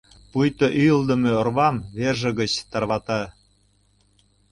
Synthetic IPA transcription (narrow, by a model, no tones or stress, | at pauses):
pujt̪oʔyjəld̪ə̆meorβɑmβerʒə̆ɣə̆t͡ɕt̪ɑrβɑt̪ɑ